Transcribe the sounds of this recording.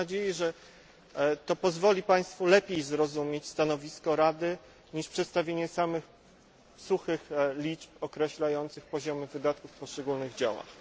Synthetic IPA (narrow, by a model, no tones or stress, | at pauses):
ad͡ʑejɛʐɛ | t̪ɔpɔzvɔlʲipaj̃st̪fulɛpʲjejzɾɔzumʲet͡ɕst̪anɔvʲiskɔɾad̪ɘ | ɲiʂpʂɛt̪st̪avʲjeɲɛsamɘx | suxɘxlʲit͡ʂpɔkɾɛɕlajɔnt̪sɘxpɔʑɔmɘvɘd̪at̪kufpɔʂt͡ʂɛɡulnɘɣd͡ʑa̰wa̰